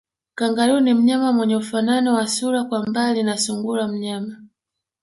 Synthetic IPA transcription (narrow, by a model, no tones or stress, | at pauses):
kaŋɡalinim̩ɲamamwɛɲɛufananɔwasuɾakwambalinasuŋɡulam̩ɲama